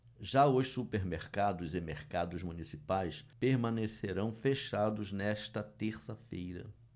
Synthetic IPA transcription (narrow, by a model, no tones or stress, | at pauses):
ʒaʊʃsupeɾmeɾkad̪ʊzɪmeɾkad̪ʊzmunisipajspeɾmɐ̃neseɾɐ̃w̃feʃad̪ʊznɛʃt̪ɐt̪eɾsɐfejɾɐ̰